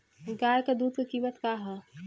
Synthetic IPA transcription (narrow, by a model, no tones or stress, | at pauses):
kaːɾkad̪uːd̪̚kekiːmət̪kaːɦɛ